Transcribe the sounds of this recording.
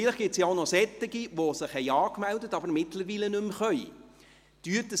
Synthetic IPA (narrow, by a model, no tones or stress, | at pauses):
iləχɡ̥ɪtsjɑɔʊnɔsɛtːɪɡiʋosɪχhɛɪɑːkmældətɑbəɾmɪtləɾʋiːlənɵmχœʏ | tyətə